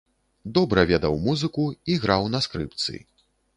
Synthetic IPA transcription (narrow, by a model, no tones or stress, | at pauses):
d̪ɔbɾɐvʲɛd̪ɐwmuzɨkuiɣɾawnɐskɾɨ̰pt̪sɨ̰i